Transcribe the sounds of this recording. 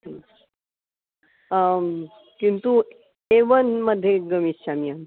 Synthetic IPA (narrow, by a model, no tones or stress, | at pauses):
kint̪u | eʋənməd̪ʱjeɡəmist͡ɕamian